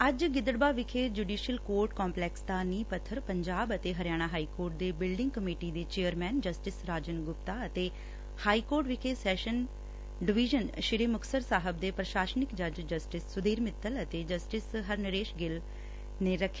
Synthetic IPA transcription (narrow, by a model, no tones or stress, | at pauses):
əd͡ʒɡɪd̪əɽbaːʋɪkʰeːd͡ʒuːɖiːʃiəlkoːɾʈkɔːmplɛːksd̪aːniːpət̪ʰːəɾpəɲd͡ʒaːbət̪eːɦəɾjaːɽ̃aːɦaːiːkoːɾʈ̚d̪eːbɪlɖɪ̃ŋɡ̚kəmiːʈiːd̪eːt͡ʃeːəɾmɛːnd͡ʒəsʈɪsɾaːd͡ʒənɡʊpt̪aːət̪eː | haːiːkoːɾʈʋɪkʰeːsɛːʃən | ɖɪʋiːʒənʃɪɾeːmʊksəɾsaːɦəb̚d̪eːpɾəʃaːsənɪkd͡ʒəd͡ʒd͡ʒəsʈɪsːʊd̪eːɾmɪt̪ʰːələt̪eːd͡ʒəsʈɪsɦəɾnəɾeːʃɡɪl | neːɾəkʰːe̥